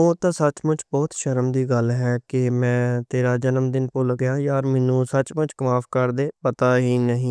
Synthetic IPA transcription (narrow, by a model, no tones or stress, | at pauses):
oːt̪ãːsət͡ʃmʊ̃t͡ʃbɔːt̪ʃəɾəmd̪iːɡəlɦɛːkɪmɛ̃ːt̪eːɾaːd͡ʒənəmd̪ɪnpʊlɡjaːjaːɾmɛːnũːsət͡ʃmʊ̃t͡ʃkmaːpʰkəɾd̪eːpət̪aːɦiːnəɦĩː